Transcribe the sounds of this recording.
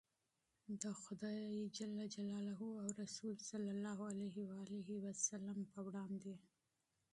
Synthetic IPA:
d̪əxʊd̪ɑjed͡ʒalːad͡ʒalɑlaɦuawɾasulsalːalːɑɦualaɦiwaaleɦiwasalampəwɽɑnd̪e

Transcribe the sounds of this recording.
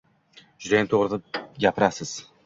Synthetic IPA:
d͡ʒʊd̪ajant̪ʰoʁɾɪd̪aɡʲapʰɪɾasɪz̥

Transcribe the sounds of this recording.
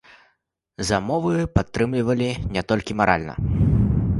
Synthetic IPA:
zɐmɔvɨpat̪ːɾɨmlʲivɐlʲinʲɛt̪ɔlʲkʲimaɾʔa̰lʲnɐ̰

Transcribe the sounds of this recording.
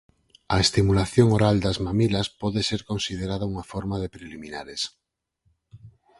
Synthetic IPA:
ɐest̪imulaθjoŋoɾald̪ɐzmamilɐspɔðeseɾkonsið̞eɾað̞auŋafɔɾmaðepɾeliminaɾes

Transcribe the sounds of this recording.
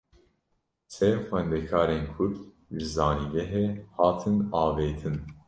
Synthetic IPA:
sʰɛxʷɛnd̪ɛkʰɑːɾeːnkʰʊɾ | ʒɨzɑːniɡɛɦeːhɑːt̪ʰɨnɑːveːt̪ʰɨn

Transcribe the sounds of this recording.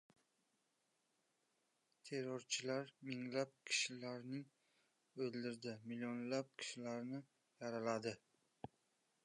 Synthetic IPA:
t̪ʰe̞ɾoɾt͡ʃʰɪlaɾmɪŋlap̚kʲʰɪ̥ʃɪlaɾnɪŋ | ɵlˠd̪ɪɾd̪ɪmɪlijonlap̚kʲʰɪ̥ʃɪlaɾnɪ | jaɾalad̪ɪ

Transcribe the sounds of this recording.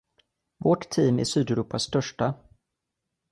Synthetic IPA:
vɔʈt̪ʰiːmæ̰ʂyːd̪ɛɾuːpast̪œʂʈa

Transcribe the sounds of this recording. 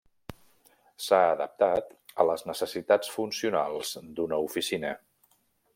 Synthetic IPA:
saəðəp̚t̪at̪ələznəsəsit̪at͡sfunsiunalˠz̥d̪unəufisinə

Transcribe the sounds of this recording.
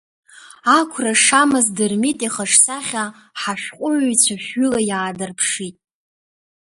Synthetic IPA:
akʷʰraʂamɨzdɨrmitʼiχaʂsaχʲa | ħaʃᶣqʷʼʊʕjt͡sʷʰaʃᶣʏlajaːdɨrpʰʂitʼ

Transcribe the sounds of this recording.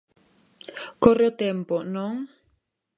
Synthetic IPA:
koɾot̪ɛmpɔʔnɔŋ

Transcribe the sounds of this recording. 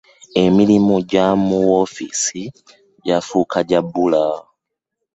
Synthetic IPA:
e̞milimuɟamuwo̞fḭsi | ɟafuːkʰaɟabula

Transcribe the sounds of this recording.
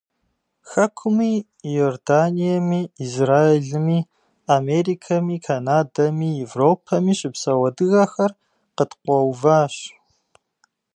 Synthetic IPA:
xɐkʷʰʊmiː | joːrdaːnijɐmiːzraːeɮɨmiː | ameːɾiːkʰɐmiːkʰanaːdɐmiːjɛvroːpʰɐmiːɕɪpsɐwɐdɨɣɐxɐr | qətqʷɔwvaːɕ

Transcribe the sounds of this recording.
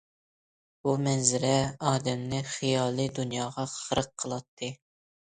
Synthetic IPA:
b̥umɛnzɪɾɛɑːd̪ɛmnɨχijɑːlˠɨd̪unjɑːʁɑχəɾəqʰːəlˠɑt̪ʰːɨ

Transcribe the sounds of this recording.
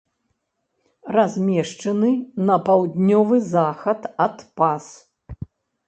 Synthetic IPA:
razʲmʲɛʂt͡ʂɐnɨnɐpawd̪ʲnʲɔvɨzaxɐt̪ɐt̪pas

